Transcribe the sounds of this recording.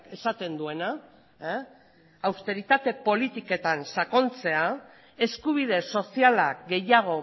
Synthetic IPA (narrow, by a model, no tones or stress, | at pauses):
e̞sat̪e̞nd̪ue̞na | awst̪e̞ɾit̪at̪e̞po̞lit̪ike̞t̪ansako̞nt͡se̞a | e̞skuβ̞ið̞e̞so̞sialakɡe̞jaɣ̞o̞